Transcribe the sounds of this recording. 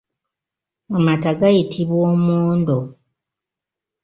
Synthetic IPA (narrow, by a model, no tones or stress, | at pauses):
amataɡajitʰiβwoːmoːndo